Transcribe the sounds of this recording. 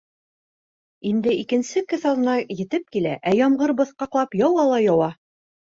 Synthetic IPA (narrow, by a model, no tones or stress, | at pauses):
ind̪ɘikɘ̆nsɘkɘθɑlˠɤ̆nɑjɘ̆t̪ɘp̚kilæʔæjɒmʁɤɾbɤ̆θqɑqlˠɑpjɑwɑlˠɑjɑwɑ